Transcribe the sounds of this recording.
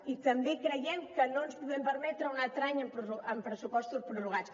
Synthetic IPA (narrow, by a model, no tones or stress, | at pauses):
it̪ɐ̃mbẽjkɾɐjẽmkɐnɐ̃w̃nuspuðẽmpɐɾmɛt̪ɾũŋat̪ɾaɲɐ̃pɾuuɐ̃mpɾɨsupɔst̪uðpɾuruɣas